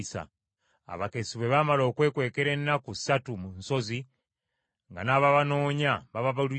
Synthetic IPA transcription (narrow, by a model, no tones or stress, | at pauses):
sa̰ | a̰βakesiβwe̞βamalo̞ːkwe̞ːkwe̞ːkeɾe̞nːaku̥satumunso̞zi | ŋɡanaβaβano̞ːɲaβaβaβalu